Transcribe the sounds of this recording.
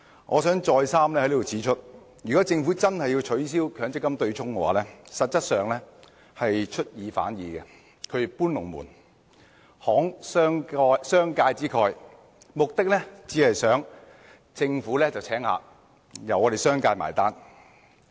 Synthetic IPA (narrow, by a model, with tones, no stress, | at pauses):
ŋɔː˨˧sœː˨˥ŋt͡ʃɔː˧jsaː˥mlɛː˥hjliː˥t̪ːwt͡sʰiː˨˥t͡ʃʰɵ˥t̚ | jyː˨˩kɔː˨˥t͡sɪ˧ŋfuː˨˥t͡sɐ˥nhɐ˨jːi˧wt͡ʃʰɵ˨˥ɥs̬iː˥wkʰœː˨˥ŋt͡sɪ˥kːɐ˥mt̪ɵ˧ɥt͡sʰʊ˥ŋkɛ˧wa̰ː˨˦lɛː˥sɐ˨t̚t͡sɐ˥t̚sœː˨ŋlɛ˥ | hɐ˨jt͡ʃʰɵ˥t̚jiː˨˧fa̰ː˨˥njiː˨˧kɛ˧ | kʰɵ˨˧ɥpuː˥nlʊ˨˩ŋmṵː˨˩n | hɔː˨˥ŋsːŋɔː˧jsœː˥ŋkaː˧jt͡siː˥kʰɔː˧j | mʊ˨k̚t̪ɪ˥k̚lɛ˥t͡siː˨˥hɐ˨jsœː˨˥ŋ | t͡sɪ˧ŋfuː˨˥lɛː˥t͡sɐ˨wt͡sʰɛː˨˥ŋha̰ː˨˧ | jɐ˨˩wɔː˨˧ɾe˨˩jsœː˥ŋkaː˧jma̰ː˨˩jt̪aː˥n